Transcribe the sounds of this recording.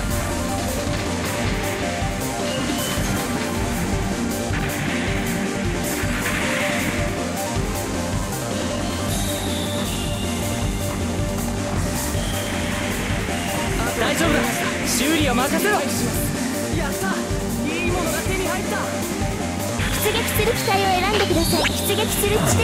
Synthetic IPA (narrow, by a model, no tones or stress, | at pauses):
d̪aiʑo̞ːbɯna | ɕɨːɾʲio̞makeset̪o | jasa | iːmo̞no̞ɡat̪e̞ɲ̟iɦait̪ːa | çi̥t͡sɨɡakʲi̥sɨɾɯ̟kʲi̥t̪aioe̞ɾãnd̪e̞kɯ̟d̪asaiki̥t͡siɡakʲi̥sɨɾɯk